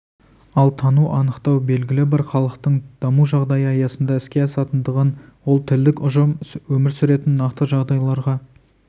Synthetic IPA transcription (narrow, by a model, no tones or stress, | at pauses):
ɑlˠt̪ʰɑnuʔɑnəqt̪ɑwbe̞lɡʲɪlɪbɑɾχɑlˠəqt̪əɴd̪̥ɑmuʒɑʁd̪ɑjəɑjɑsənd̪ɑɪskʲe̞ɑsɑt̪ənd̪əʁənwo̞lˠt̪ʰɪld̪ɪkʲʊʒəmwɵmɪɾsʏɾe̞t̪ɪnːɑqt̪əʒɑʁd̪ɑjlˠɑɾʁɑ